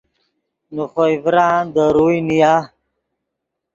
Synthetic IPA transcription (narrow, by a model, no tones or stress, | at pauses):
nuχoivɾãːnd̪əɾujnija